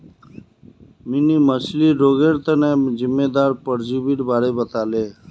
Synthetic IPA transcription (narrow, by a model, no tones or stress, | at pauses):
miniməsliɾoːɡeːɾt̪ənẽːzɪmːeːd̪aːɾpəɾd͡ʒiːbiɽbaːɾeːbət̪aːleː